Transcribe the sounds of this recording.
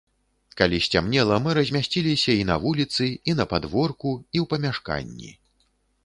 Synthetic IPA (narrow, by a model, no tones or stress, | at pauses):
kalʲisʲt͡sʲamnʲɛlˠɐmɨɾɐzʲmʲasʲt͡sʲilʲisʲɐinɐvulʲit̪sɨinɐpad̪vɔrkuiwpɐmʲaʂka̰nʲːḭ